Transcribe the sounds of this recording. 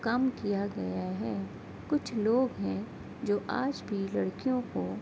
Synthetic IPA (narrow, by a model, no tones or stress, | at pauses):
kɐmkijaɡɐjaɦɛː | kʊt͡ʃʰloːɡɦɛ̃ | d͡ʒoːʔa̰ːd͡ʒbʱilɐɽkijõko